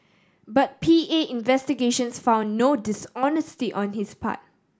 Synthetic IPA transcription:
bat̚pʰieʔɪ̃nvɛstiɡeʃə̃nsfãʊ̃nːodɪsɔnəstiʔɔ̃nhispʰa̰t̚

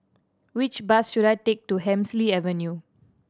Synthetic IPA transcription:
wit͡ʃbasʃuɾaɪtek̚tuɦɛ̃msliɛvənju

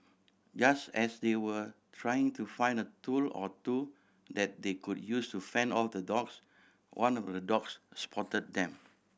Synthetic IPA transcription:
d͡ʒastɛsdewətʰɹajɪ̃ŋtufãj̃ndətulɔ̰tu | dɛt̚dekud̚justufɛ̃ndɔldədɔks | wʔãnɔfdədɔksspʰɔtət̚dɛ̃m

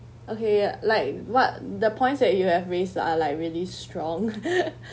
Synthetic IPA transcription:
ʔokelaɪk̚wɔt̚dəpʰɔ̃ɪ̃ntsdɛt̚juhɛvɹesda̰laɪkɹiəlistɹɔ̃ŋ

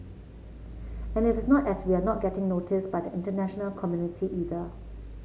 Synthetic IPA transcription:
ɛ̃nɪtɪsnɔtɛswianɔt̚ɡ̥ɛtɪ̃ŋnotʰɪsbajdəʔɪ̃ntənæʃənəlkʰɔmjunɪtʰiʔiːðə

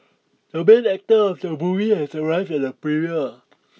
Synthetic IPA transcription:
d̥əbɛ̃nɛk̚təɔfdəbuvihɛsəɹaɪvdɛt̚əpɹiɹiə

